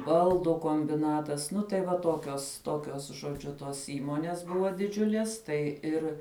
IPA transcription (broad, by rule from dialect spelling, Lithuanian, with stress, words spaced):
ˈbɐlˠdʊ koːmʲbʲɪˈnɑːtɐs ˈnʊ tɐɪ ʋɐ ˈtoːkʲoːs ˈtoːkʲoːs ʒoːˈd͡ʒʲʊ ˈtoːs ˈiːmoːnʲeːs ˈbʊʋoː dʲɪˈd͡ʒʲʊlʲiɛs ˈtɐɪ ɪr